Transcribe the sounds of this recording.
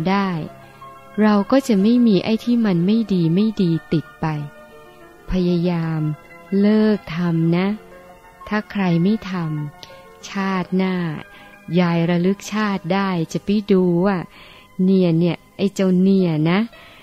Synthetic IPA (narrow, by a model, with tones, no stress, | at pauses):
daː˥˩j | ɾa˧wkɔː˥˩t͡ɕa˨˩ma˥˩jmiː˧ʔa˧˥˩jt̪ʰiː˥˩ma˧nma˥˩jdiː˧ma˥˩jdiː˧t̪i˨˩t̪̚pa˧j | pʰa˧ja˧jaː˧m | lɤː˥˩k̚t̪ʰa˧mna˦˥ | t̪ʰaː˥˩kʰɾa˧jma˥˩jt̪ʰa˧m | t͡ɕʰaː˥˩t̪̚naː˥˩ | jaː˧jɾa˧lɯ˦˥k̚t͡ɕʰaː˥˩t̪̚daː˥˩jt͡ɕa˨˩pi˧˥˩duː˧waː˥˩ | ni˥˩əni˥˩ɐʔa˧˩jt͡ɕa˧wni˧˩əna˦˥